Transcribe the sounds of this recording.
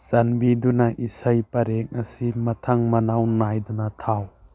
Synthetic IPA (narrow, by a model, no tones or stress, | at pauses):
sanbidunaʔisajpɐɾek̚ɐsimɐtʰaŋmɐnawnajdunatʰaw